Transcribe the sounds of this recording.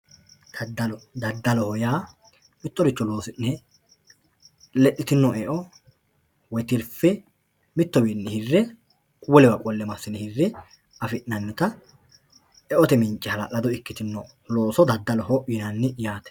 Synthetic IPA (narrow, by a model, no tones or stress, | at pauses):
d̪ɐd̪ɐlɔd̪ɐd̪ːɐlɔhɔjaː | mɪt̪ːɔɾɪt͡ʃːɔloːsɪnːɛ | lɛʔːɪt̪ɪnːɔɛʔɔ | wɔt̪ɪɾfɛ | mɪt̪ːɔbinːɛhɪrːɛ | wɔlɛwɐkʼɔlːɛmɐsɪnhɪrːɛ | ɐfɪʔnɐnːɪt̪ɐ | ɛʔɔt̪ɛmɪnt͡ʃʼːɛhɐlɐ̰ʔɐd̪ɔɪkːɪt̪ɪnːɔ | lo̞ːsɔd̪ɐd̪ːɐlɔhɔʔɪnɐnːɪjaːt̪ɛ̥